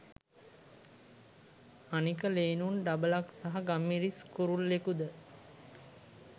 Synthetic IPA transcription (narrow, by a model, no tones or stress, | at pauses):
anikəleːnunɖabəlaksaɦaɡamːiɾiskuɾulːekud̪ə